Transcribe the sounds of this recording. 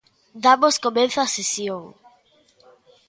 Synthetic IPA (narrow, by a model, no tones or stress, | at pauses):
d̪amoskomẽnθasesjoŋ